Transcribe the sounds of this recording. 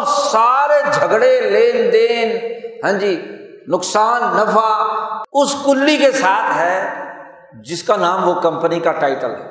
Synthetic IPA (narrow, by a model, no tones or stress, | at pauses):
saːɾed͡ʒʱɐɡɽeleːnd̪eːnɦɛ̃ːd͡ʒiː | nʊksaːnːɐfaʊskʊlːikesaːt̪ʰɦɛː | d͡ʒɪskanaːmʋokɐ̃mpənikaʈaːɪʈəlɦɛ̰ː